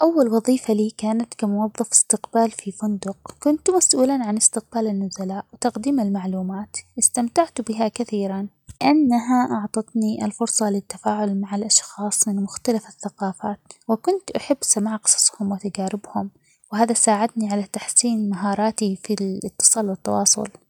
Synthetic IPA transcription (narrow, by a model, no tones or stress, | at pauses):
ʔawːalwɑðˤiːfaliːkaːnat̪kamʊwɑðˤːɑfɪ̥st̪ɪqbaːlfifʊnd̪ʊqkʊnt̪masʔuːlanʕanɪst̪ɪq̚baːlɪnːʊzalaːʔwɪt̪ɑqd̪iːmɪlmaʕluːmaːt̪ʔɪst̪amt̪aʕt̪bɪɦakaθiːɾan | ʔanːaɦaʔɑʕt̪ˤɑt̪niʔlfʊɾsˤɑlɪt̪ːafaːʕʊlmaʕalʔɑʃxɑːsˤmɪnmʊxt̪alafaθːaqɑːfaːt̪wɪkʊnt̪ʔaħɪbːsamaːʕqɨ̥sˤɑ̥sˤhʊmwɪt̪ad͡ʒaːɾɪbhʊm | whaːðasaːʕɪd̪niʕalat̪aħsiːnmaɦɑːɾˤɑːt̪ifilɪt̪ːɨ̥sˤɑːlwɪt̪ːɑwɑːsˤʊ̰l